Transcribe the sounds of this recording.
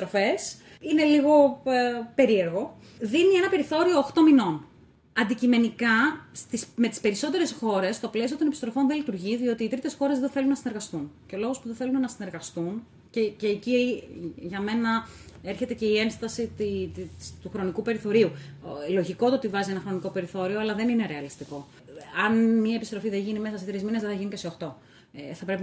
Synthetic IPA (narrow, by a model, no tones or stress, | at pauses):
ist̪ɾofe̞s | ine̞liɣo̞ | pe̞ɾie̞ɾɣo̞ | ðinie̞nɐpe̞ɾiθo̞ɾio̞ːxt̪o̞mino̞n | ɐnd̪icime̞nikɐst̪isme̞t̪i̥spe̞ɾiso̞t̪e̞ɾe̞sxo̞ɾe̞st̪o̞ple̞sio̞t̪o̞nepi̥st̪ɾo̞fo̞nðelit̪uɾʝiðio̞t̪iːt̪ɾit̪e̞sxo̞ɾezðeθe̞lunːɐsineɾɣɐst̪unceolo̞ɣo̞spuðeθe̞lunenɐsine̞ɾɣɐst̪un | ceceːci | ʝɐme̞nɐeɾçe̞t̪e̞ce̞ie̞nst̪ɐsit̪it̪uxɾo̞nikupe̞ɾiθo̞ɾiulo̞ʝiko̞t̪oo̞t̪ivɐzienɐxɾo̞niko̞pe̞ɾiθo̞ɾio̞ɐlɐðe̞nine̞ɾe̞ɐlist̪iko̞ | ɐnmɲɐe̞pist̪ɾo̞fiðeʝinime̞sɐset̪ɾizminezðeθɐʝiniceseo̞xt̪o̞ | θɐpɾe̞pi